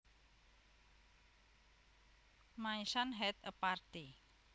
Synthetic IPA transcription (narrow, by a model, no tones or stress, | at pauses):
maisanɦɛt̪əpart̪i